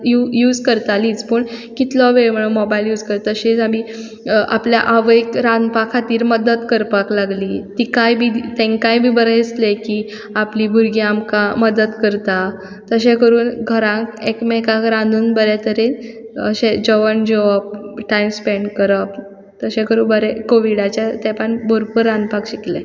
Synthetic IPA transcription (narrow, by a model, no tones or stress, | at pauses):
jujuːd͡zkəɾt̪aliːt͡spəɳkit̪lɔʋeɭm̤əɽ̃umɔbailjuːd͡zkəɾt̪əɕet͡sami | ʔapljaʔaʋəekɾãnd̪pakʰat̪iːɾməd̪ət̪kəɾpaklaɡliːt̪iːkajbʱiːt̪ẽŋkajbʱiːbəɾəsleki | apliːbʱuɾɡiamkaməd̪ət̪kəɾt̪a | t̪əɕekəɾuːnɡʱəɾãkekmekakɾãnd̪uːnbəɾet̪əɾeə̰ɕed͡ʑəʋənd͡ʑəʋəp̚ʈajmspeɳɖkəɾəp̚ | t̪əɕẽkəɾuːbəɾɛkoʋiɽat͡ɕjat̪ɛpəɳboɾpəɾːãnd̪pakɕikle